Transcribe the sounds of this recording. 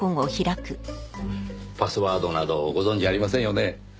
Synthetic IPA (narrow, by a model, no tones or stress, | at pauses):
õŋoçiɾakɯ̟ | pasɨβaːd̪o̞nad̪o̞ɡo̞zõ̞ɲ̟d͡ʑiaɾʲimasẽ̞ɰ̃jo̞ne